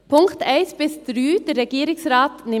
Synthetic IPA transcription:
pʰʊŋkt̪æɪsbɪst̪ɾʉːd̪ɾɛɡiːɾɪŋsɾɑːt̪nɪ

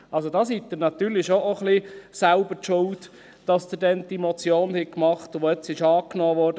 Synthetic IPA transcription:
ʔɑlsodɑsitd̪əɾnɑt̪yːɾlɪʃoʔoχlisaʊbətʃʊlt | d̥ɑsd̥̪əɾdɛnd̥imot͡sjoːnhɛɡ̚kmɑχtʋoɛt͡sɪʃɑːknɔːʋɔːɾd

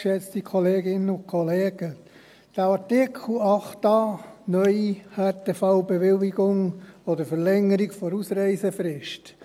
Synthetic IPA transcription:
ʃɛt͡stikʰɔleːɡɪnəʊnkʰɔleːɡ̥ə | d̥æɑɾtɪkʰl̩ɑχtɑnœʏihɑtefɑʊbɛʋɪliɡ̥ʊŋɔd̪əɾfəɾlɛŋːəɾiɡfɔɾusɾɛɪsəfɾɪʃt

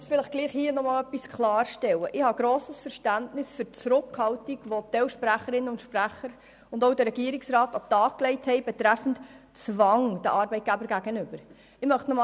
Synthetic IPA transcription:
sfɪləχɡ̥liːχhiːənɔmɑːlœpːiskʰlɑːɾʃtɛwəʔɪhɑɡɾoːsəsfəɾʃtæntnɪsfʏɾt͡sɾʊkhɑltiɡ̥ʋot̪ɛwʃpɾæχəɾɪnəʊntʃpræχəɾ | ʊndoʊdəɾɛɡiəɾɪksɾɑːtɑtɑːkklɛɪthɛɪbɛt̪ɾæfn̩tt͡svɑŋd̥əʔɑɾbɛɪt̚ɡ̥æbəɾɡ̥æɡənʏb̥əɾ | ɪmœχtnɔmɑ

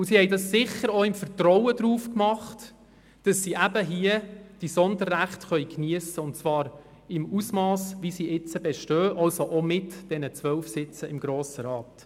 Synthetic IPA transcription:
ʊsihɛjdɑsːɪχəɾoɪmfəɾtɾɔwədɾuːfkmɑχt | d̥ɑsːiːʔæb̥əɦiəd̥isɔndərːæχtχœjkniəsəʊntt͡sʋɑːɾ | ɪmusmɑːsʋisiːʔɪt͡səbeʃtøːʔɑlsoʔomɪtd̥ɛnət͡sʋœlfsɪt͡səɪmɡ̥ɾoːsəɾɑːt

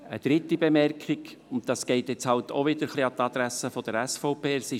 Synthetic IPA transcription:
ə̰d̪̥ɾɪtːibemɛrkʰɪk | ʊntd̥̪ɑsɡ̥ɛɪt̪jɛt͡shɑltʰo̰ʋɪd̥̪əɾχliɑt̪ɑd̪ɾæsəfɔd̥̪əɾæsfɔʊpeːsɪ

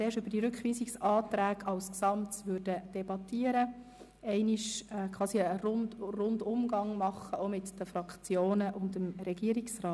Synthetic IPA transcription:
t͡seːʃʉb̥əd̥iɾʉkχʋiːsiksɑːtɾæːɡɑlsksɑmtsʋøːɾd̥əd̥ɛbɑt̪ːiəɾə | ɛɪniʃɛkʰwɑːsiəɾʊndrʊndʊmɡɑŋmɑχːəʔomɪtd̥əfɾɑkt͡sjoːnəʔʊntdəmɾɛɡiəɾiksrɑː

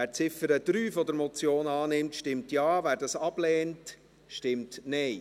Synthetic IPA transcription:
æːɾt͡sɪfəɾəd̥ɾyːfɔd̪əɾmɔt͡sjoːnɑːnɪmtʃtɪmtjɑːvæːɾdɑsɑb̥lɛːnt | ʃtɪmtnɛɪ

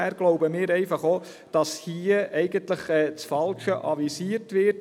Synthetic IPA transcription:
æɾɡ̥loʊbəmɪːɾɛɪfɑχoː | d̥ɑshiəʔɛɪɡəntləχɛːt͡sfɑlʃəʔɑʋisiːəɾtʋɪ

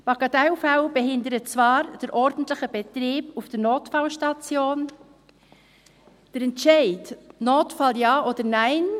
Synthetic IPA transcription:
b̥ɑɡɑtaʊfaʊbeɦɪndəɾət͡svɑːɾd̥əɾʔɔɾdn̩tlɪxəbɛtɾiːbufd̥əɾnoːtfaʊʃtɑt͡sjoːn | d̥əɾɛntʃɛɪtnoːtfɑljɑːʔodəɾnaɪn

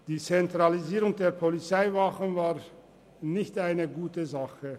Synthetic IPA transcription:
d̥iːt͡sɛntʁ̥aliziːʁʊŋdeːɐpʰolit͡saɪvaχənvaːʁ | nɪçtʔaɪnəɡuːtəzaχə

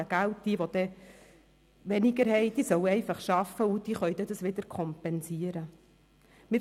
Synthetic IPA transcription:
əɡ̥æwt̚d̥iːʋod̥̪ɛ | ʋɛnɪɡəɾɦɛjd̥̪isœwɛɪfɑχʃɑfːəud̥̪iːχœʏjd̪ɛd̪əsʋɪd̪əɾkʰɔmpɛnsiəɾə | mɪ

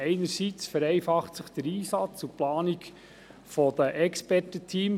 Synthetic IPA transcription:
ɛɪnəɾsit͡sfəɾɛɪfɑχtsəχd̥əɾiːsɑt͡suplɑːnik | fɔd̥̪əʔɛkspɛrtətʰiːm

